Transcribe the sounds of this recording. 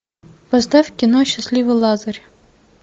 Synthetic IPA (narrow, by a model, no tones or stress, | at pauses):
vɐzd̪afʲkʲɪnoɕːɪsʲlʲivɨlˠazəɾʲ